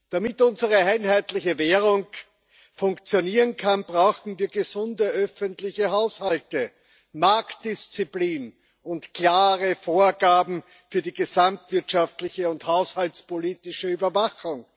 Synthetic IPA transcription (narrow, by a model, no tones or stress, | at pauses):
d̥amɪtʊnzəʁəaɪnɦæɪtlɪçəveːʁʊŋ | fʊ̃ŋkt͡sjoniːʁənkʰanbʁaʊxn̩viːɐɡəzʊndəʔœfəntlɪçəɦaʊshaltə | maɐktd̥ɪst͡sipliːn | ʊntkʰl̥aːʁəfoːɐɡaːbm̩ | fyːɐdiːɡəzamtv̥ɪɐtʃaftlɪçəʊnthaʊshaltt͡spoliːtɪʃəyːbɐvaxʊŋ